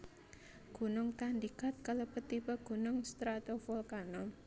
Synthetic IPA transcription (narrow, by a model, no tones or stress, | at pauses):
ɡ̥o̤nʊŋt̪and̪ikat̪̚kaləpət̪ːipəɡ̥o̤nʊŋst̪ɾat̪ofɔlkanɔ